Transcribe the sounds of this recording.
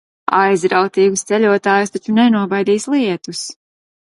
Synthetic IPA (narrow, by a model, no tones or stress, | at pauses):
ajzɾawt̪iːɡust̪sɛʎʲuɔt̪aːjust̪at͡ʃunɛnuɔbajd̪iːslˠiɛt̪us